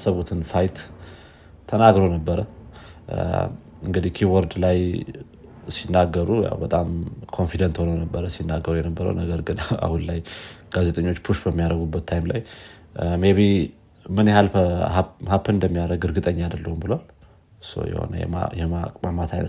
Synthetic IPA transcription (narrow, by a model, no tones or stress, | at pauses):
səβut̪ʰɨnfajt̪ʰ | ənaɡɾownəbːəɾə | ɨŋɡɨd̪ihkʰiwɔɾd̪laj | sinːaɡːəɾuja̰wbət̪ʼamkʰo̞nfid̪ənt̪ho̞nəwnəbːəɾəsinːaɡːəɾujɛnəbːəɾə̰wnəɡəɾɡɨna̰hunlajɡ̥aze̞t̪ʼəɲːo̞t͡ʃːpʰuʃbəmːijaɾəɡubːət̪ʰːajmlaj | meβi | mɨnjɛhalahapʰːɨɨnd̪əmːijaɾəɡɨɾɡɨt̪ʼəɲːad̪əlːəhumbɨloal | so̰jɛ̰ho̰nə̰jɛ̰jɛma̰mamːat̪ʰajnə